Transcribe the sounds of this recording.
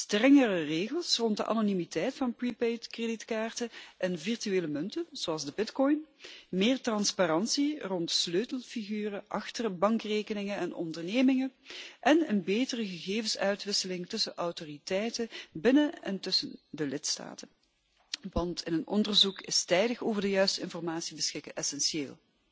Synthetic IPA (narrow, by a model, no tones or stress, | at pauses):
strɛŋəɾəreːɣəlˠsrɔntdəʔa̰nonimitɛjtfɑnpripetkreditkaːrtəʔɛnvirtyeːləmɵntənz̥oːɑlˠzdəbɪtkɔjnmɪːrtrɑnsparɑnsirɔntsløːtəlˠfiɣyːrəʔɑxtərəbɑŋkreːkənɪŋəɛnɔ̰ndərneːmɪŋəʔɛnənbeːtərəɣəɣeːvənsœɥtʋɪsəlɪŋtɵsəʔɑwtoːritɛjtəbɪnəɛ̰ntɵsəndəlɪtsta̰ːtə | ʋɑntɪnənɔndərzukɪstɛjdəxoːvərdəjœɥstəɪnfɔrmaːsibəsxɪkəʔɛsɛnʃeːlˠ